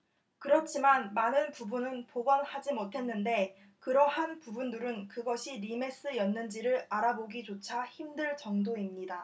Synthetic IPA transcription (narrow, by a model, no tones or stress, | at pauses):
kɯɾʌt͡ɕʰimanmanɯnpubunɯnpoɡʌnhad͡ʑimotʰe̞nːɯnde̞ | kɯɾʌhanpubundɯɾɯnkɯɡʌɕʰiɾime̞s͈ɯjʌnːɯnd͡ʑiɾɯɾaɾaboɡit͡ɕot͡ɕʰaçimdɯɭt͡ɕʌŋdoimɲida